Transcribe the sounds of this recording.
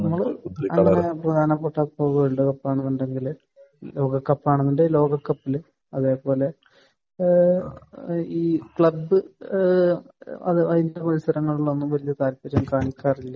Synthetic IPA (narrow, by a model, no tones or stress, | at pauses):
nɐmːɐɭɐ̰ŋːɐneprɐd̪ʱaːnɐpːeʈːɐpːoːʋeɭɖukɐpːaːɳunːuɳɖe̞ŋɡil | lo̞ːɡɐkːɐpːaːɳunːuɳɖelo̞ːɡɐkːɐpːil | ɐðe̞ːpo̞ːle̞ | iːkɭɐbːɨ | ɐ̰ðɨɐðindepɐɾisɐɾɐŋːɐɭuɭːonːumʋɐlijɐt̪aːlpːɐɾɐmkaːɳikʲːaːrilːɐ